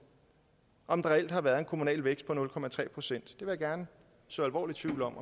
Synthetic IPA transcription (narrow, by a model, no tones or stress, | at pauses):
ʔɒ̽md̥ɑ̈ʁɛel̰d̥hɑ̈ʋæːɐðˠe̝nkʰo̝munɛ̰ːlʋeɡ̥sd̥̚pʰɒ̽nɔ̽lkʰɒ̽mæt͡sʰʁɛ̰ːpʰʁo̝sen̰d̥d̥e̝ʋe̝jäɡ̥æɐnə | sɔ̽ælʋɒ̰ːlit͡sʰʋiʊ̰lɒ̽m